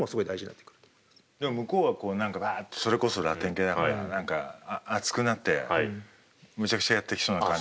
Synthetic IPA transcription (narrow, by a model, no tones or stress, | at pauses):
mosɨɡo̞id̪aiʑiɲina̰t̪ːe̥kɯ̟ɾɯ̥t̪ | d̪emo̞mɯ̟ko̞ːβako̞ːnãŋkaβat̪ːso̞ɾe̞ko̞so̞ɾat̪ːẽ̞ŋkeːd̪akaɾa̰nãŋkaːt͡sɨ̥kɯ̟nat̪ːe̞̰ | mɯ̟t͡ɕakɯ̟̥t͡ɕajat̪ːe̞kʲi̥so̞ːnakãɲ